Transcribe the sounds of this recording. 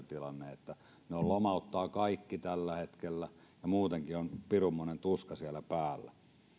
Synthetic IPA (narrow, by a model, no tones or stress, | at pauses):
t̪ilɑnːeet̪ːæ | neollomɑut̪ːɑːkɑikːit̪ælːæhet̪kelːæ | jɑmuːt̪eŋkionpirumːonent̪uskɑsiælæpæːlːæ̰